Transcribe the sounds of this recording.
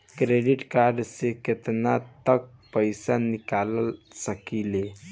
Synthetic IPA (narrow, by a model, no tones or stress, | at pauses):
kɾeɖiʈkaɾɖseket̪nat̪ək̚pəjsanikaləlsəkile